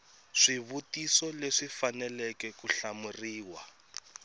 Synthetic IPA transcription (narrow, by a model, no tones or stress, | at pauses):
ʂiβutisɔleʂifanɛlɛkɛkuɬamuriːwa